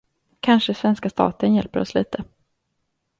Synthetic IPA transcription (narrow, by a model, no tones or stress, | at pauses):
kʰanʂəsvɛnskast̪ɑ̰ːt̪ənjɛlpəɾɔ̰sliːt̪ʰə